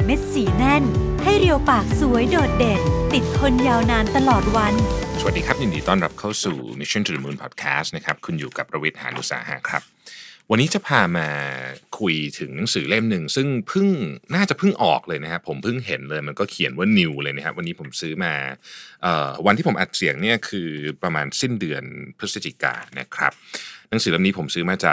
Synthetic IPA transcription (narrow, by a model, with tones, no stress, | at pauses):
me˦˥t̪̚siː˨˩˦nɛ˥˩nha˥˩jɾi˧əwpaː˨˩k̚su˨˩˦əjdoː˨˩t̪̚de˨˩k̪̚t̪i˨˩t̪̚kʰo˧njaː˧wnaː˧nt̪a˧lɔː˨˩t̪̚wa˧nso˧˩a˨˩diː˧kʰa˦˥p̚di˨˩ndiː˧˩t̪ɔː˥˩nɾa˦˥p̚kʰa˥˩wsṵː˨˩mi˧˥sʰɔ˥˩nt̪ʰɾɯː˨˩˦muː˧npʰɔ̰ː˨˩t̪̚kʰɛ̰ː˦˥stna˦˥kʰa˦˥p̚kʰu˧njuː˨˩ka˨˩pːɾa˧wi˦˥t̪̚ha̰ː˩˦nʔṵ˨˩sa̰ː˩˦ɦa̰ː˨˩˦kʰɾa̰˦˥p̚wa˧nːiː˦˥t͡ɕa˨˩pʰaː˧maː˧kʰu˧jt̪ʰɯ˩˦ŋna˨˩˦ŋsɯː˩˦le˥˩mnɯ˨˩ŋsɯ˥˩ŋpʰɯ˥˩ŋnaː˥˩t͡ɕa˨˩ʔpʰɯ˥˩ŋʔɔ̰ː˨˩k̚lɤː˧jna˦˥kʰa˦˥pʰːo˩˦mpʰɯ˥˩ŋɦe˩˦nlɤː˧jma˧nkɔː˥˩kʰi˨˩˦nwaː˥˩ni˧wlɤː˧jna˦˥kʰa˦˥wa˧nːiː˦˥pʰo˩˦msɯː˦˥maː˧ʔəː˨˩wa˧nt̪ʰiː˥pʰo˩˦ʔa˨˩t̪̚si˨˩˦əŋni˥˩ɐkʰɯː˧pɾa˧maː˧nsi˥˩ndɯ˧ənpʰɾɯ˦˥sa˧t͡ɕiː˨˩ka̰ː˧na̰˦˥kʰɾa̰˦˥p̚na˩˦ŋsɯː˨˦le˦˥˩niː˦˥pʰo˩˦msɯː˦˥maː˧˩t͡ɕaː˨˩k̚